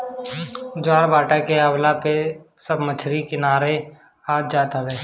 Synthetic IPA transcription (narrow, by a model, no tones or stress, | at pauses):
d͡ʒaːɾbaːʈakeəwlape | səbmət͡ʃʰɾikɪnaːɾe | aːd͡ʒaːt̪abɛː